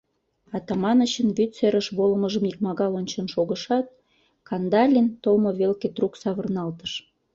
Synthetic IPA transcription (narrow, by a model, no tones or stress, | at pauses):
ɑt̪ɑmɑnəɕənβyt̪seɾəʃβoləməʒəmik̚mɑɣɑlonʲt͡ɕənʃoɣə̆ʃɑt̪̚ | kɑnd̪ɑlʲint̪olmoβelket̪ruksɑβərnɑlt̪ə̥ʃ